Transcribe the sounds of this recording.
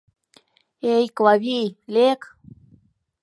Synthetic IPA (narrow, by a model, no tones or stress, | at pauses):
ejkwaβilek